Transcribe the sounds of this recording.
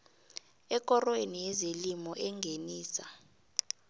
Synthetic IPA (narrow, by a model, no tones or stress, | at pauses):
ɛk̬ʼɔrɔwenijɛzelimɔʔɛŋɡʱeniːsa